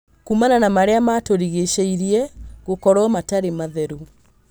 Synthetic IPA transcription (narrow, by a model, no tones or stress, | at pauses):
kumananamaɾeamatoɾiɣeʃeiɾiɛɣokɔɾɔmataɾemaðɛɾu